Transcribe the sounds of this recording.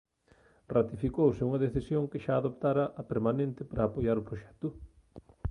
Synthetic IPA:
rat̪ifikowsɪuŋɐðeθisjoŋkɪʃaːðop̚t̪aɾɐʔɐpeɾmanẽnt̪ɪpɾaːpojaɾʊpɾoʃɛ̥t̪ʊ

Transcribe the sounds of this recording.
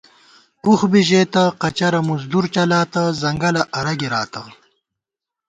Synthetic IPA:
uxbiʑeːt̪aqɐt͡ɕɐɾɐmuzd̪uɾt͡ɕɐlaːt̪azɐŋɡɐlɐʔɐɾɐɡiɾaːt̪a

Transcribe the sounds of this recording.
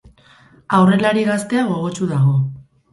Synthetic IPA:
awre̞laɾiɣast̪e̞aɣ̞o̞ɣo̞t͡ʃuðaɣ̞o̞

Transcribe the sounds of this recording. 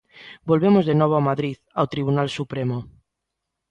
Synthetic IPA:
bolβemozðenɔβ̞oamaðɾiðawt̪ɾiβunalsupɾemo

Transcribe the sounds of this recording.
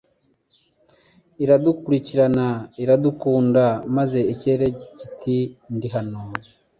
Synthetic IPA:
iɾadukuɾiciɾanaiɾadukuːndamaze̞ice̞ɾecitindiɦano

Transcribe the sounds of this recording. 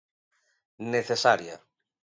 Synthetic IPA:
neθesaɾja̰

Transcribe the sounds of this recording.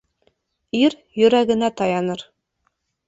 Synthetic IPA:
iɾ | jɵ̆ɾæɡɘ̆næt̪ɑjɑnɤɾ

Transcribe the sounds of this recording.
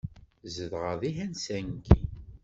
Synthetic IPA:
zəðʁəðiɦænsæŋɡi

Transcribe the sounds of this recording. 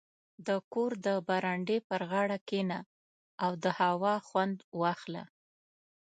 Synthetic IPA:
d̪əkoɾd̪əbaɾaɳɖepəɾɣɑɽakena | awd̪əhawɑxwand̪wɑxla̰

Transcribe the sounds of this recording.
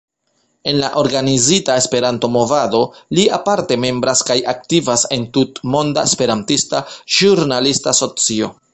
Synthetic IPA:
e̞nlaʔo̞ɾɡanizitaespe̞ɾanto̞mo̞vado̞liapaɾte̞me̞mbɾaskajak̚tivase̞ntutmo̞ndaespe̞ɾantistaʒuɾnalistaso̞t͡sio̞̰

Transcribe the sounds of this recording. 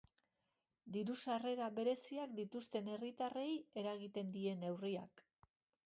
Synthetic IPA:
d̪iɾusare̞ɾaβe̞ɾe̞siakd̪it̪ust̪e̞ne̞rit̪are̞je̞ɾaɣ̞it̪e̞nd̪ie̞ne̞wriak

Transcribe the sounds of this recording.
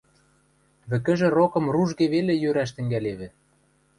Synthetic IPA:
βɘ̆kɘ̆ʒĕrokɤ̆mruʒɣeβelejøɾæʃ̬t̪ɘ̆ŋɡæleβɘ̆

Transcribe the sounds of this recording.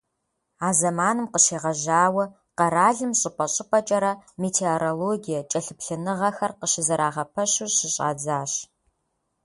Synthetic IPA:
aːzɐmaːnɨmqəɕeːʁɐʒaːwɐ | qɐɾaːɮɨmɕʼɪpʼɐɕʼɪpʼɐt͡ʃʼɐɾɐmeːtʰeoɾoloːɡijɐt͡ʃʼɐɬɨpɬɨnɨʁɐxɐrqəɕɪzɐɾaːʁɐpʰɐɕuɕɪɕʼa̰ːd͡zaːɕ

